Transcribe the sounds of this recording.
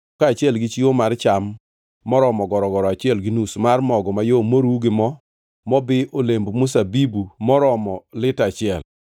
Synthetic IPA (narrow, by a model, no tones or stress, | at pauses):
kaːt͡ʃɪɛlɡɪt͡ʃiomaɾt͡ʃamː | ɔɾɔmɔɡɔɾɔɡɔɾɔat͡ʃɪɛlɡɪnusmarmɔɡɔmajomoɾuɡɪmɔ | mɔbɪʔolembomʊsabibumɔɾɔmɔlɪtat͡ʃɪɛl